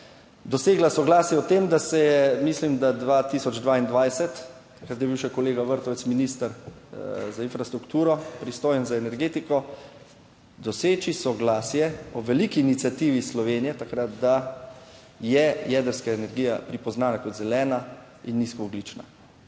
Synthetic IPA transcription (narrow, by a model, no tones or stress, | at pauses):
d̪ɔseːɡlasɔɡlaːsjɛɔt̪emd̪asɛjɛmislimd̪ad̪ʋaːt̪isɔd͡ʒd̪ʋaːind̪ʋajsɛt̪ | t̪ḁkɾat̪̬jɛbiwʃɛkɔleːɡaʋəɾt̪ɔʋɛt̪sminist̪əɾ | zainfɾast̪ɾukt̪uːɾɔpɾist̪oːjɛnzaɛnɛɾɡeːt̪ikɔ | d̪ɔseːt͡ʃisɔɡlaːsjɛɔʋɛliːkiːnit̪sʲjat̪iːʋislɔʋeːnijɛt̪akɾat̪d̪a | jɛjɛːd̪əɾskaenɛɾɡijapɾipɔznaːnakɔd̪zɛlɛːna | inːiskɔɔɡlit͡ʃna̰